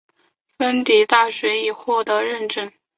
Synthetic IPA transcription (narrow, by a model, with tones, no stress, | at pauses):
fə˥nt̪i˨˧˩t̪a˥˩ɕɥɛ˧˥i˨˩xwɔ˥˩t̪ɤ˧˥ɻə˥˧nʈ͡ʂə˥n